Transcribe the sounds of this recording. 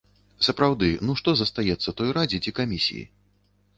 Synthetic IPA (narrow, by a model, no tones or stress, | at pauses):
sɐpɾawd̪ɨnuʂt̪ɔzɐst̪ajɛt̪sːɐt̪ɔjɾad͡zʲid͡zʲikamʲisʲḭjḭ